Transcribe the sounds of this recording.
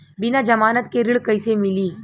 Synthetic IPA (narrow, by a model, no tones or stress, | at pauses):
bɪnad͡ʒɐmaːnət̪keɾɪɽkɐɪsemɪliː